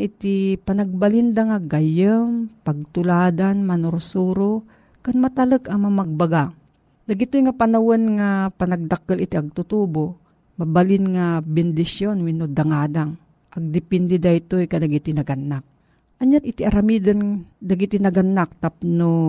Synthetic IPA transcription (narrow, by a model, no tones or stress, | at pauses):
ʔɪt̪ipɐnɐɡ̚balind̪aŋaɡajəmpɐɡ̚t̪ʊlaːd̪anmɐnʊɾʊsuɾo | kanmat̪ɐləkɐŋmɐmaɡ̚baɡa | d̪ɐɡɪt̪ojŋapɐnɐwonŋapɐnɐɡ̚d̪akəlɪt̪iʔɐɡ̚t̪ʊt̪uːbo | mɐbalɪnŋabɪnd̪ɪsjonwɪnod̪ɐŋaːd̪aŋ | ʔɐɡ̚d̪ɪpɛnd̪ɛd̪ajt̪ojkɐd̪ɐɡit̪ɪnɐɡanːak̚ | ʔɐɲanʔɪt̪iʔɐɾamid̪ɐnd̪ɐɡit̪inɐɡanːak̚t̪apno